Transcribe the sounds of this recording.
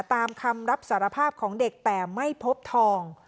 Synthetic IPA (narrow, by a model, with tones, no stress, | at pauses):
t̪aː˧mkʰa˧mɾa˦˥p̚saː˩˦ɾa˧pʰaː˥˩p̚kʰɔː˩˦ŋde˨˩k̚t̪ɛː˨˩ma˥˩jpʰo˦˥p̚t̪ʰɔː˧ŋ